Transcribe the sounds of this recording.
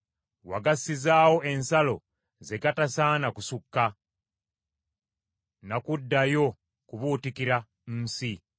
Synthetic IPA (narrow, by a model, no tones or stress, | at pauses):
wa̰ɡasizaːwo̞e̞nsalo̞̰ | ze̞ɡatasaːnakusukːa | nakudːajo̞ | kuβutikiɾa | n̩ːsi